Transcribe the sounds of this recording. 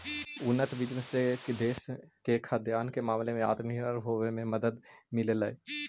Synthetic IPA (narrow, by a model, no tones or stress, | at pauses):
ʊnːət̪bit͡ʃmẽsekd̪eːskekʰad̪jaːnkemaːmlemẽa̰ːt̪niɾəɾɦoːʋemẽməd̪əd̪mɪleləe